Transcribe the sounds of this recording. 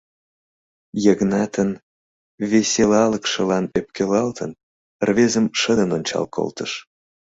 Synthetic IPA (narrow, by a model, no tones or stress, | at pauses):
jəɣnɑt̪ən | veselɑləkʃə̆lɑnep̚kʰelɑlt̪ʰən | rvezəmʃəd̪ənonʲt͡ɕɑ̰lkʰo̰lt̪əʃ